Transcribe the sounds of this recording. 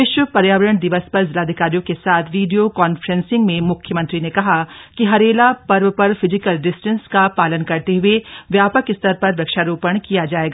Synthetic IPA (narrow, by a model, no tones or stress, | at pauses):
ɪʃwəpɐɾjaːʋəɾəɽ̃ɖ̪ɪʋəspɐɾzɪlaːd̪ʱɪkaːɾijõkesaːt̪ʰʋiːɖijokaːnfɾə̃nsɪ̃ŋɡmẽmʊkʰjəmɐ̃nt̪ɾinekɐɦakiɦɐɾeːlapɐɾʋpɐɾfʰɪzɪkəlɖɪsʈə̃nskapaːlənkɐɾt̪eɦʊeʋjaːpəkɪst̪ʰəɾpɐɾʋɐkʃaɾuːpəɳ̃kijad͡ʒaːeːɡaː